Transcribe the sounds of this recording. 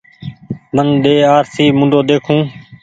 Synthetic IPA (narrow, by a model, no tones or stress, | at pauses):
mənɗeːaːɾsiːmʊ̃ɳɖʱoːd̪eːkʰũː